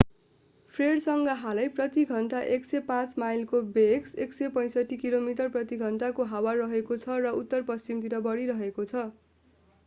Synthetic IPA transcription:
pʰreɽsʌŋɡʌɦalʌjprʌt̪iɡʱʌɳʈaʔeksepãt͡smajlkobekseksepʌ̃j̃sʌʈʰːikilomiʈʌrprʌt̪iɡʱʌɳʈakoɦawarʌɦekot͡sʰʌrʌut̪ːʌrpʌst͡simt̪iɾʌbʌɽiɾʌɦekot͡sʰʌ

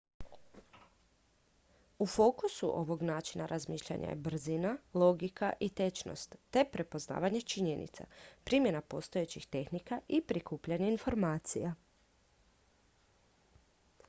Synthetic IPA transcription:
ufo̞ːkusṵʔo̞ʋo̞ɡnaːt͡ʃinaɾʔazmiːʃʎa̰ɲa̰jḛbr̩zinalo̞ɡika̰ʔit̪e̞t͡ʃno̰st̪ːe̞pɾe̞po̞zna̰ːʋaɲe̞t͡ʃiɲe̞nḭt̪sa̰pɾimje̞napo̞st̪o̞jet͡ɕixt̪e̞xnikaʔipɾikuːpʎaɲeinfo̞ɾmaːt̪sija

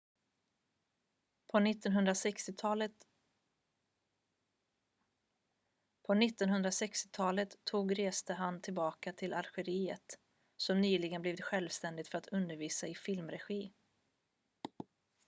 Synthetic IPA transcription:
pʰɔnɪt̪ːɔnɦɵnd̪ɾasɛkst̪ɪɑl | pʰɔnɪt̪ːɔnɦɵnd̪ɾasɛkst̪ɪ̥t̪ʰɑːlət̪ʰːuːɡɾeːst̪əɦant̪ʰɪlbɑːkat̪ʰɪlʔaɾɧɛɾiːə̰t̪ | sɔmnyːlɪɡənbliːvɪt̪ɧɛlvst̪ɛnd̪ɪt̪fœɾat̪ʰɵnd̪əɾviːsaɪfɪlmɾɛɧiː

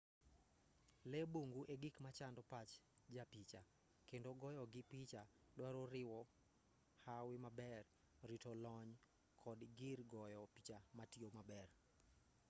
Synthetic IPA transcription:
leboŋɡuʔeɡikmat͡ʃandɔpat͡ʃd͡ʒapit͡ʃa | kendoɡɔjɔɡɪpit͡ʃa | dwaɾoɾɪwɔ | hawɪmabɛr | ɾitolɔɲ | kʰɔdɡirɡɔjɔpit͡ʃamatiomabɛr

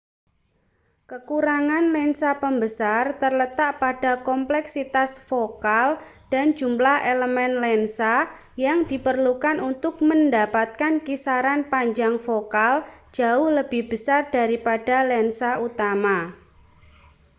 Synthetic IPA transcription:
kəkuɾaŋanlɛnsapəmbəsart̪ərlət̪aʔpad̥a̤kɔmplɛksit̪asfokal | d̥a̤nd͡ʒumlahʔeləmɛnlɛnsa | jaŋdipərlukanunt̪ʊk̚məndapat̪̚kankisaɾanpaɲd͡ʒaŋfokald͡ʒ̥a̤ʊhləb̥ɪhb̥əsard̥aɾipad̥a̤lɛnsaut̪ama

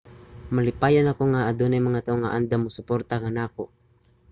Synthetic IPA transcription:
malɪpaːjanakoŋaʔːd̪onajmɐŋat̪aʔoŋaʔand̪amʊsʊpoɾt̪akanaːko

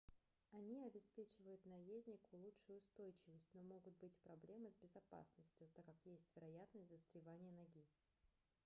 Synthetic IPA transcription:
ɐnʲiɐbʲɪspʲet͡ɕɪvəjʊt̪nɐjezʲnʲɪkʊlˠutʂʊjʊːst̪o̞jt͡ɕɪvəsʲtʲno̞mo̞ɡʊt̪̚bɨtʲpɾɐblʲe̞mɨzʲbʲɪzɐpa̰snəsʲtʲjʊt̪akːakjesʲtʲvʲɪɾɐjat̪nəsʲtʲd̪əst̪ɾʲɪvanʲɪjənɐɡʲi

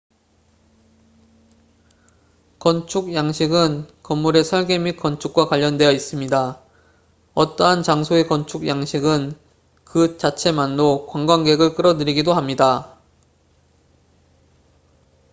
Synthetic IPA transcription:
kʌnt͡ɕʰuɡ̚jaŋɕʰiɡɯnkʌmːuɾe̞sʰʌɭɡe̞mik͈ʌnt͡ɕʰuk̚k͈wakwaʎːʌndwe̞jʌis͈ɯmɲida | ʌt͈ʌɦant͡ɕaŋsʰoekʌnt͡ɕʰuɡjaŋɕʰiɡɯn | kɯt͡ɕat͡ɕʰe̞manːokwaŋɡwanɡe̞ɡɯɭk͈ɯɾʌdɯɾiɡidohamɲida

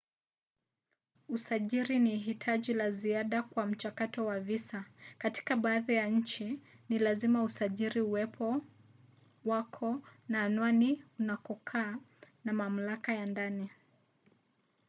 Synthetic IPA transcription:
usaʄiɾiniɦitʰaʄilaziaɗakwam̩t͡ʃakatɔwavisakati̥kaɓaːðijaɲ̩t͡ʃinilazimausaʄiɾiuwɛpʰɔ | wakʰɔnaːnwaniunakɔkʰaːnamam̩lakajandani

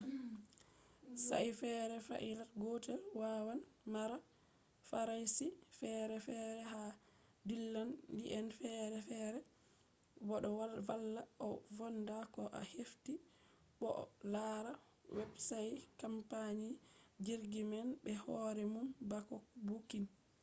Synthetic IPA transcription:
sa̰jfɛɾɛfa̰ʔilatɡɔtɛlwawanmaɾa | faɾajsifɛɾɛfɛɾɛɦa | dilːanliʔɛnfɛɾɛfɛɾɛ | bɔɗɔalːaɔvɔndakɔʔahefti | ɓɔ̰laɾa | wɛbsajkampaɲid͡ʒiɾɡimɛnbɛhɔɾɛmumbakɔbukin

